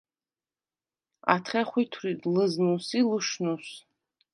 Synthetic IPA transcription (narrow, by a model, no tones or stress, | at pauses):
a̰tʰχʲaχʷitʰritʼlɨznusilɨʂnus